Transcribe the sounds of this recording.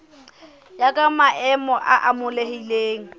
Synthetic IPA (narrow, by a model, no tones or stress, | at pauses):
jakʼamaʔɛmɔʔaʔamʊlehileːŋ̩